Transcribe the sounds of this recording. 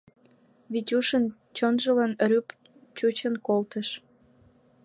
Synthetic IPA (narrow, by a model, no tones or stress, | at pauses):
βit͡ɕuʃən | t͡ɕonʒələnɾyp | t͡ɕut͡ɕənkolt̪əʃ